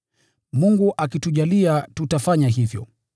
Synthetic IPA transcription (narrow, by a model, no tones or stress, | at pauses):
muŋɡuʔak̬ituʄaliatutafaɲaɦivjɔ̰